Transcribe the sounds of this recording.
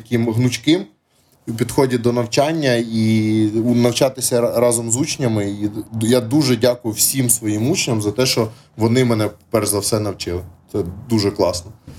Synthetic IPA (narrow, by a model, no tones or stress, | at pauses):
ɐkʲɪmɦnʊt͡ʃʲkɪm | uwpʲid̪xɔdʲid̪ɔnɐwt͡ʃɑnʲːɐi | nɐwt͡ʃɑt̪ɪsʲɐɾɑzɔmzut͡ʃnʲɐmɪijad̪uʒɛdʲɑkʊjʊwsʲimsʋɔjimut͡ʃenʲɐmzɐt̪ɛʃt͡ʃɔ | ʋɔnɪmɛnɛpɛrzɐwsɛnɐwt͡ʃɪlˠɪt̪sɛd̪uʒɛklˠɑsnɔ